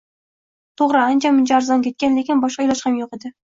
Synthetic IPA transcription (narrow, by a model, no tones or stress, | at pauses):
t̪ʰoʁɾɨant͡ʃʰamʊnt͡ʃʰaːɾzɒnkʲe̞t̪kʲanlekʲɪnbɒʃqɑjlˠɒʃhamjoqed̪ɪ